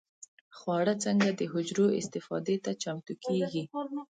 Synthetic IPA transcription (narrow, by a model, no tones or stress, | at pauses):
xwɑɽət͡səŋɡad̪əɦʊd͡ʒɾoɪ̰st̪ɪfɑ̰d̪et̪at͡ʃamt̪ukʰeɡi